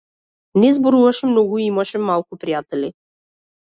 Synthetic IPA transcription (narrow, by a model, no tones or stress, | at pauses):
nɛzboɾuvɐʃɛmnɔɡʊiimaʃɛmalˠkʊpɾijat̪ɛli